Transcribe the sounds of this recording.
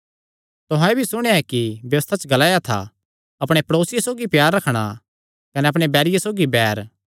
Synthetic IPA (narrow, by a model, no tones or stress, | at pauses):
t̪ʊɦãebʱisʊɽ̃eaɛkibjɐʋəst̪ʰat͡ʃəɡɐlaːjat̪ʰa̰ | ɐpɽ̃epɐɾoːsɪjesoːɡipjaːɾːɐkʰɽ̃a̰ | kɐnɛɐpɽ̃ebɛːɾɪjesoːɡibɛːɾ